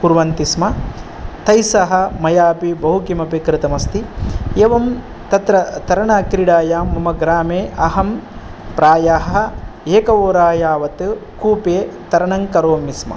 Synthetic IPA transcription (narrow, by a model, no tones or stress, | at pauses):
kuɾʋɐnt̪ismɐ | t̪ɐjsɐɦɐ̆mɐjaːpibɐɦukimɐpekɾɪt̪ɐmɐst̪ieːʋɐm | t̪ɐt̪ɾɐt̪ɐɾɐɳaːkɾiɽaːjaːmːɐmɐɡɾaːmeːʔɐɦɐmpɾaːjaɦɐɐeːkɐʋoːɾaːjaːʋɐt̪ɨkuːpeːt̪ɐɾɐɳɐŋkɐɾoːmismɐ̰